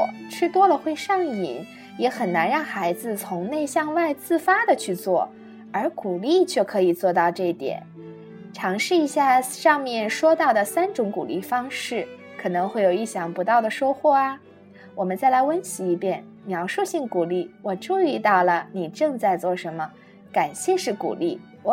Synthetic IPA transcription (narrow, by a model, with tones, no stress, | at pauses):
ʈ͡ʂʰɻ̩˥˧t̪wɔ˥lə˨xwe˥˧ɪʂɑ˥˩ŋḭ˨˩˦n | jɛ˧˥xə˨˩nna˧˥nɻɑ˥˩ŋxa˧˥ɪd͡zɹ̩˧t͡sʰʊ˧˥ŋne˥˧ɪɕjɑ˥˧ŋwa˥˧ɪt͡sɹ̩˥˩fa˥d̪ə˨t͡ɕʰy˥˧t͡swɔ̰˥˩ | ə˞˧˥ku˨˩li˥˧t͡ɕʰɥɛ˥˩kʰɤ˧˥i˨˩t͡swɔ˥˧t̪ɑ˥˧ʊʈ͡ʂɤ˥˩i˥˩t̪jɛ̰˨˩˦n | ʈ͡ʂʰɑ˧˥ŋʂɻ̩˥˩i˧˥ɕja˥˧ʂɑ˥˧ŋmjɛ˥˩nʂwɔ˥t̪ɑ˥˩ʊd̪ə˩sa˥nʈ͡ʂʊ˧˥ŋku˨˩li˥˩fɑ˥ŋʂɻ̩˥˩ | kʰɤ˨˩nɤ˧˥ŋxwe˥˩ɪjo˨˩ʊi˥˩ɕjɑ˨˩ŋpu˧˥t̪ɑ˥˩ʊd̪ə˩ʂo˥ʊxwɔ˥˩ɐ˩ | wɔ˨˩mə˦nt͡sa˥˩ɪla˧˥ɪwə˥nt͡ɕʰi˧˥i˧˥˩pjɛ˥˩n | mjɑ˧˥ʊʂu˥˧ɕi˥˩ŋku˨˩li˥˩wɔ˨˩ʈ͡ʂu˥˧i˥˧t̪ɑ˥˩ʊlə˩ni˨˩ʈ͡ʂɤ˥˧ŋt͡sa˥˧ɪt͡swɔ˥˩ʂə˧˥nmə˧ | ka˨˩nɕjɛ˥˧ʂɻ̩˥˩kṵ˨˩li˥˩ | wɔ˧˦